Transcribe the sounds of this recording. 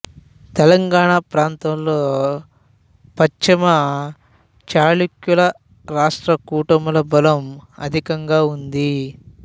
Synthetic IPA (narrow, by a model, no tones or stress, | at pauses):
t̪ɛlɐŋɡaːɳaːpɾaːnt̪ɐmloː | pɐt͡ʃimɐ | t͡ʃaːlukjulɐ | ɾaːʂʈɾɐkuːʈɐmulɐbɐlɐmɐ̰d̪ʱikɐŋɡaːund̪i